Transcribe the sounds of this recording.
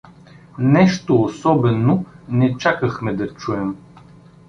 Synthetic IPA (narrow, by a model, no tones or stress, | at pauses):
nɛʃt̪oːsɔbɛnonɛt͡ʃakəxmɛd̪ɐt͡ʃuɛm